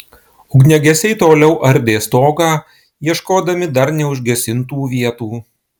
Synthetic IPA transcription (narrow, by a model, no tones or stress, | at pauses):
ʊɡnʲɛɡʲɛsʲɛɪt̪oːlʲɛʊʔɐɾʲd̪ʲeːst̪oːɡɑː | jiɛʃkoːd̪ɐmʲɪd̪ɐɾnʲɛʊʒʲɡʲɛsʲɪnt̪uːʋʲiɛt̪uː